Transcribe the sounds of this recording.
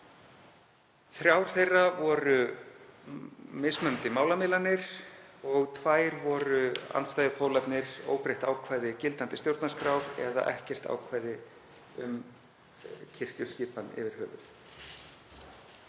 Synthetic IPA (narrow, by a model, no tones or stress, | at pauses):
θɾjaːwɾ̥θejrːavɔɾʏ | mɪsmœnt̪ɪmaːwlamɪːlanːɪɾ̥ɔɣt̪ʰvaːjɾvɔɾʏa̰nt̪st̪ajðʏpʰoːwlapnɪɾ̥o̰ːwpɾejht̪aːwkʰvaːjðɪcɪlt̪ant̪ɪst̪jowɾt̪naskɾawɾɛ̰ða̰ʔɛhcɛr̥t̪a̰ːwkʰvaːjðɪ | ʏm | cʰɪr̥cʏscɪːpanɪ̰vɪɾ̥hœːvʏθ